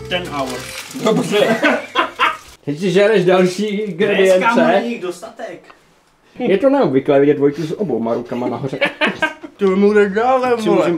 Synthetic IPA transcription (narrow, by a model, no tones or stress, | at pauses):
t̪ɛnawdobrɛ | t̪ɛcsɪʒɛɾɛʒdalʃiːɡɾɛdɪjɛnt͡sɛidost̪at̪ɛk | jɛt̪onɛobvɪklɛːvɪɟɛt̪vojkusobowmaɾukamanaɦorɛ | t̪umudɛdaːlɛmol